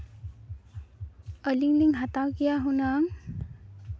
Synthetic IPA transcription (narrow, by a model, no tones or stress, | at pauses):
əliŋliŋɦat̪awkijaɦunaŋ